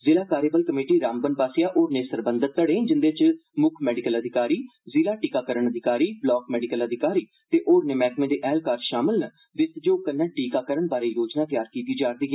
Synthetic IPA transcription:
zɪlaːkaːɾeːbəlkəmeːʈiːɾãːmbənbaːsɪjaːʔoːɾneːsəɾbənd̪ət̪̚ːəɽẽːnd͡ʒɪnd̪eːt͡ʃmʊkʰmɛːɖɪkələd̪ʱɪkaːɾiːzɪlaːʈiːkaːkəɾəɳəd̪ʱɪkaːɾiːblɔːkmɛːɖɪkələd̪ʱɪkaːɾiː | t̪eːʔoːɾneːmɛːkmẽːd̪eːʔɛːlkaːɾʃaːmɪlnə | d̪ɪt̪d͡ʒoːkənːãːʈiːkaːkəɾəɳbaːɾeːjoːd͡ʒnaːk̪jaːɾkiːt̪iːd͡ʒaːɾd̪iːɦɛː

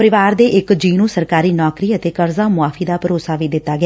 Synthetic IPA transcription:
pəɾɪʋaːɾd̪eːʔɪkd͡ʒiːnũːsəɾkaːɾiːnɔːkɾiːət̪eːkəɾzãːmʊaːfʰiːd̪aːpəɾoːsaːʋiːd̪ɪt̪ːaːɡɪa

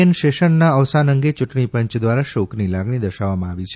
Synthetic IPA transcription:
ənʃeʃəɳːaəʋsanəŋɡet͡ʃuʈɳipəɲt͡ʃd̪ʋaɾaʃoknilaɡɳ̃id̪əʃaʋːamãaʋit͡ʃʰe

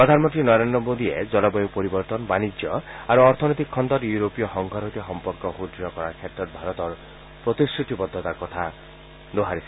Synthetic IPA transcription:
pɾɔd̪ʱanmɔntʈ̪ɾinɔɾend̪ɾɔmod̪ied͡ʒɔlɔbɔjupɔɾibɔɾt̪ɔnɔbanid͡ʒjɔaɾuɔɾt̪ʰɔnɔt̪ikʰːɔnd̪ɔɾjuɾopijɔɦɔŋɡʱɔɾot̪iɦɔmpɔɾkɔɦud̪ɾjɔkɔɾakʰet̪ɔɾbʱaɾɔt̪ɔɾ | pɾɔt̪isʈʰut̪ibɔd̪ʱːɔt̪akɔt̪ʰa | d̪oɦaɾisi

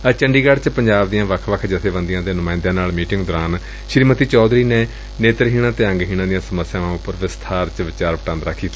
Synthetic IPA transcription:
ət͡ʃəɳɖiːɡəɽt͡ʃpəɲd͡ʒaːbd̪ijãːʋəkʰʋəkʰd͡ʒət̪ʰeːbənd̪ijãːd̪eːnʊmãːɪ̃nd̪jãːnaːlmiːʈɪŋɡd̪oɾaːn | ʃɾiːmət̪iːt͡ʃɔːd̪ɾiːneː | neːt̪əɾɦiːɽ̃ãːt̪eːə̃ŋɡɦiːɽ̃ãːd̪ijãːsəməsːjãːʋãːʊpːəɾʋɪst̪ʰaːɾt͡ʃʋɪt͡ʃaːɾʋəʈãnd̪ɾəkʰːiː

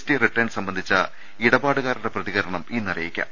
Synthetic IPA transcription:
stiriʈrɐjnɖsɐmbɐnd̪ʱit͡ɕːɐ | iɽɐbaːɽɨɣaːɾuɽeprɐðiɣɐɾɐɳɐmiːnːirɐ̰jikʲːa̰

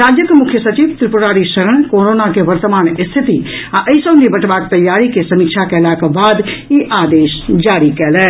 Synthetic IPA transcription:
ɾaːd͡ʒjəkmʊkʰjəsɐt͡ʃiːʋt̪ɾɪpʊɾaːɾiʃɐɾəɳ̃koːɾoːnakeʋɐɾt̪əmaːñɪst̪ʰɪt̪i | aʔɐɪsõːnibɐʈʋaːk̚t̪ɐjːaːɾikesɐmiːkʃʰakelaːkabaːd̪iʔaːd̪eːʃd͡ʒaːɾikɛːlɛː

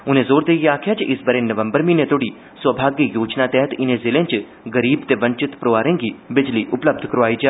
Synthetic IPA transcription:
ũnezoːɾd̪ejeaːkʰjat͡ʃʰʔisbəɾẽnːəʋəmbəɾminet̪oɽi | sʋəbʱaːɡjəjoːd͡ʒnat̪ɛɦət̪inezilẽnt͡ʃ | ɡəɾiːbt̪eʋəɲt͡ʃɪt̪pɾoʋaːɾẽŋɡibɪd͡ʒliʔʊpləb̚d̪ʱkəɾoʋaːid͡ʒe

